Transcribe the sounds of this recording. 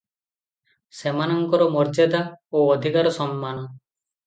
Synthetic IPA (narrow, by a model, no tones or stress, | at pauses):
semanɔŋkɔɾɔmɔɾd͡ʒad̪aoːɔd̪ʱikaɾɔsɔmːanɔ